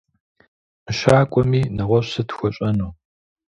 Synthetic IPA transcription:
ɨʃaːkʷʼɔmiːnɐʁʷɔɕsɐtxʷɔɕʼɐnuː

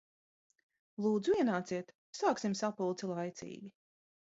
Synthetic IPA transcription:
lˠuːd̪zuiɛnaːt̪siɛt̪ | saːksimsapulˠt̪silˠajt̪sḭːɡʲi

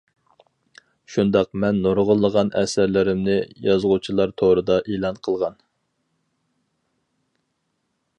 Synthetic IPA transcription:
ʃund̪ɑqmɛnːoɾʁəlˠːəʁɑnʔɛ̰sæɾlɪɾɪmnɪjɑzʁut͡ʃʰilˠɑɾt̪ʰoɾɨd̪ɑʔelˠɑnqʰəlˠʁɑn

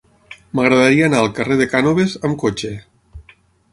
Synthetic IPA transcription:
məɣɾəðəɾiəːnaəlˠkəreðekanoβezəmkot͡ʃe

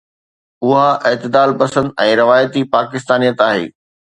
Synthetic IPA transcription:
ʊɦaʔeːt̪ɪd̪aːlpɐsə̃nd̪ɛ̃ːɾɪʋaːjət̪ipaːkɪst̪aːnijət̪aːɦḛː

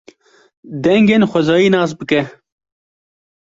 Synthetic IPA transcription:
d̪ɛŋɡeːnxʷɛzɑːjiːnɑːs̬bɨkɛ

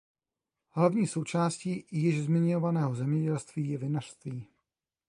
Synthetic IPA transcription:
ɦlavɲiːso̞wt͡ʃaːsciːjɪʒzmɪɲovanɛːɦo̞zɛmɲɛɟɛlst̪viːjɛvɪnar̥st̪viː

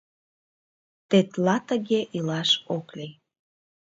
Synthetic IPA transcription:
t̪et̪lɑt̪əɣeʔilɑʃoklej

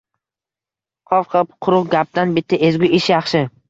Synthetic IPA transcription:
qʰɒvqʰɑpqʰʊɾʊʁɡʲap̚d̪anbɪt̪ʰːaezɡʲʊʔɪʃjɑχʃɪ

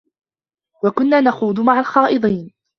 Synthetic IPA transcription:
wakʊnːaːnaxuːd̪ˤmaʕalxɑːʔɨd̪ˤiːn

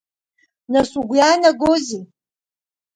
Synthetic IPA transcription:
nasuɡʷjaːnaɡozi

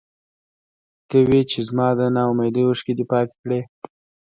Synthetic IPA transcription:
t̪əwet͡ʃezmɑd̪ənɑwmajd̪əwəʂked̪epɑke̥kɽe

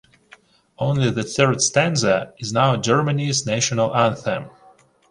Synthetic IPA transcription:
õʊ̃nliðɨθɜ˞d̥stæ̃nzəɪznaʊəd͡ʒɜ˞mənizneɪʃɔnəlˠæ̃nθɛ̃m

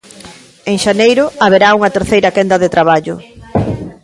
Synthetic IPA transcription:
eŋʃanejɾʊaβeɾauŋɐt̪eɾθejɾɐkɛnd̪ɐðet̪ɾaβ̞aʎʊ̰

